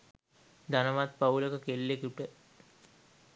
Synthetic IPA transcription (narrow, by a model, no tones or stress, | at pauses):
d̪anəʋat̪pauləkəkelːekuʈə